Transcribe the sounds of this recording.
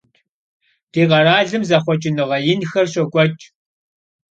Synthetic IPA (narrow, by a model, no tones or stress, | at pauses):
d̥iːqɐraːɮɨmzɐχʷɔt͡ʃʼɪnɨʁɐjɪnxɐrɕɐkʷʼɔt͡ʃʼ